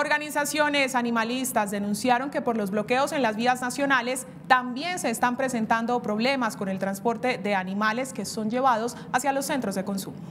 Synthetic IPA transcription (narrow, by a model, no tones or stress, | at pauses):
oɾɣanisasjo̞ne̞sanimalist̪azd̪e̞nũnsjaɾo̞ŋke̞po̞ɾlo̞zβlo̞ke̞o̞se̞nlazβiaznasjo̞nale̞s | t̪ambje̞nse̞ːst̪ampɾe̞se̞nt̪and̪o̞pɾo̞βle̞masko̞ne̞lt̪ɾanspo̞ɾt̪e̞ðe̞animale̞ske̞so̞nd͡ʒe̞βað̞o̞s | asjalo̞sːe̞nt̪ɾo̞zd̪e̞ko̞nsumo